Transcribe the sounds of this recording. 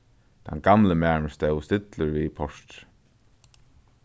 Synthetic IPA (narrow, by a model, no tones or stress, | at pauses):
t̪ʰa̰nɡamləmæːməst̪ɛwst̪ɪt̪ləɹvipʰɔʂt̪